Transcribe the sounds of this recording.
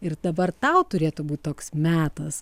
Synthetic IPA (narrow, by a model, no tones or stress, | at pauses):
ɪrd̪ɐbɐrt̪ɐʊt̪ʊɾʲeːt̪ubuːt̪̚ʲt̪oːksmʲæːt̪ɐs